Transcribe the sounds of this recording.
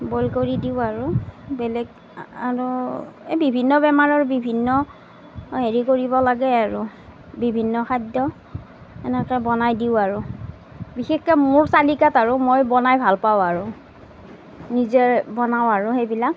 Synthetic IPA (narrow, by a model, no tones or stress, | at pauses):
bolkoɹidiʊaɹʊbɛlɛɡ | aɹuebibʱinːɔbɛmaɹaɹʊbibʱinːɔ | ɦeɹikoɹibɔlaɡɛaɹʊ | bibʱinːɔxʰajdɔ | ɛnɛkɔbɔnajdiʊaɹʊ | bixexkɔmʊɹsalikataɹʊmojbɔnajbʱalpawaɹʊ | nizɛbɔnawaɹʊɦejbilak̚